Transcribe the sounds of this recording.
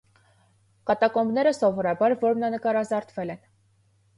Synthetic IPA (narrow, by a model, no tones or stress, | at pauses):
kɑt̪ɑkɔmbnɛɾəsɔvɔɾɑbɑɾvɔɾmnɑnəkɑɾɑzɑɾt̪ʰvɛlɛn